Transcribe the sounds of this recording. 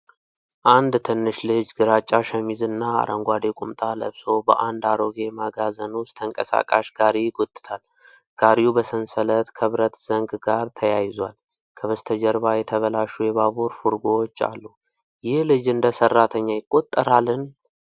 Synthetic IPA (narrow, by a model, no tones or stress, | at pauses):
ʔand̪t̪ʰɨnːɨʃlɨd͡ʒɡɨɾat͡ʃʼːaʃəmizɨnːaa̰ɾʔəŋɡʷad̪ekʼumt̪ʼalə̰βso̞bəʔand̪aɾo̞ɡe̞maɡazənust̪ʰəŋkʼəsa̰kʼa̰ʃɡ̥aɾiɡot̪ʼɨ̥t̪ʰal | ɡ̥aɾijubəsənsələt̪kʰəβɾət̪z̥əŋɡɡaɾt̪ʰəjajɪzwal | kʰəβəst̪ʰəd͡ʒəɾβajɛt̪ʰəβəlaʃujɛβaβuɾfuɾɡoot͡ʃːa̰lːu | jɪhlɨd͡ʒɨnd̪əsərːat̪ʰəɲːajɪkʼːo̞t̪ʼːəɾalɨn